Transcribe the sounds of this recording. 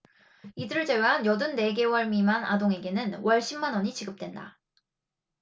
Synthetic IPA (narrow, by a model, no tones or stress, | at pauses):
idɯɾɯɭd͡ʑeweɦanjʌdɯnːe̞ɡe̞wʌɭmimana̰doŋe̞ɡe̞nɯnwʌɭɕ͈ʰimːanʌɲit͡ɕiɡɯp̚t͈we̞nda̰